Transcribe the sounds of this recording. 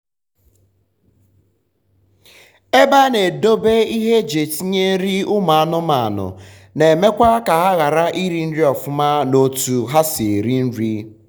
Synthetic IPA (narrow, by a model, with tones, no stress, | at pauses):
e˦ba˦ne˨do˦be˦i˦ɦe˦d͡ʒe˨ti˦ɲe˦n̩˦ɾi˦ʊ˦ma˨a˦˨nʊ˦ma˨a˨nʊ̰˨ | ne˨me˦kʷa˦ka˨ɦa˦ɣa˨ɾa˦ʔi˦ɾi˦n̩˦ɾi˦ɔ˨fʊ˦ma˦no˨tu˨ɦa˦si˨ɾi˦n̩˦ɾi˦